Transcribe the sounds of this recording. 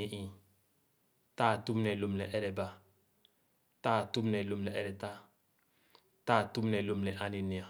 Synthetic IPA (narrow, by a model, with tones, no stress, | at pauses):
i˨ʔĩ˨ | ta˦˨tu˦mnɛ˨lo˨mnɛ˨ʔɛ˦ɾɛ˨ba˨ | ta˦˨tu˦m˦nɛ˨lo˨mnɛ˨ʔɛ˦ɾɛ˨ta˦ | ta˦˨tu˦mnɛ˨lo˨mnɛ˨ʔa˦ni˨ni˨a˨